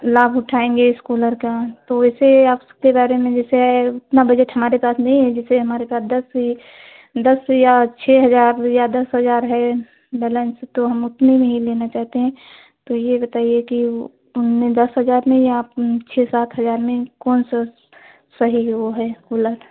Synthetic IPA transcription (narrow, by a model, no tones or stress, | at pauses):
laːbʱʊʈʰaːẽːŋɡeskuːləɾkat̪oɛːseaːp | kebaːɾemẽd͡ʒɛːseɦɛʊt̪nabəd͡ʒeʈɦɐmaːɾepaːsnɐɦĩɦɛd͡ʒɪseɦɐmaːɾepaːsd̪ɐsi | d̪ɐsjat͡ʃʰɛɦɐzaːɾjad̪ɐsɦəzaːɾɦɛ | bɛːlɛ̃ːnst̪oɦɐmʊt̪nemẽɦileːnat͡ʃaːɦt̪eɦɛ̃ | t̪ojebɐt̪aːijeki | ʊnmẽd̪ɐsɦəzaːɾmẽjat͡ʃʰɛsaːt̪ʰɦɐzaːɾmẽkɔːnsa | sɐɦiʋoɦɛskuːləɾ